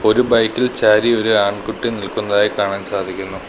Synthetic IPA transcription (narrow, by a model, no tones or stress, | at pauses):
o̞ɾubɐjkːilt͡ɕaːɾio̞ɾuaːɳɖkuʈːinilkunːɐðaːjikaːɳaːnsaːd̪ʱikʲːunːu